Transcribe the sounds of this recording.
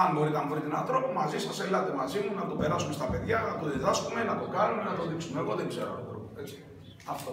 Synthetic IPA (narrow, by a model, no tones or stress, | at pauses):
ɐnbo̞ɾit̪ɐmbɾit̪inɐnθɾo̞pumɐzisɐselɐt̪emɐzimunɐt̪ope̞ɾɐsume̞st̪ɐpe̞ðʝɐnɐt̪oðiðɐskume̞nɐt̪o̞kɐnumenɐt̪o̞ðiksume̞ɣo̞ðeŋɡze̞ɾo̰ɐ̰t̪ɾo̰poet͡si̥ | ɐft̪o